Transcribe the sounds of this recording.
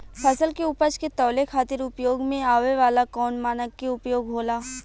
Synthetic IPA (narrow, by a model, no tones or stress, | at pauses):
pʰɐsəlkeʊpət͡ʃket̪ɔːlekʰaːt̪ɪɾʊpjoːɡmẽaːʋeʋaːlakɔːnmaːnəkːeʊpjoːɡɦoːlaː